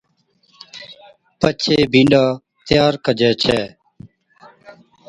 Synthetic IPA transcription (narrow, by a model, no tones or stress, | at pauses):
pət͡ʃʰeːbʱĩːɳɖaː | t̪jaːɾkəd͡ʒɛːt͡ʃʰɛː